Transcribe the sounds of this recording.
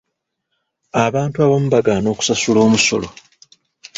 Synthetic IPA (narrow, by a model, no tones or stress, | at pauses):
aβaːntuaβamuβaɡano̞ːku̥sasulo̞ːmuso̞̰lo̞̰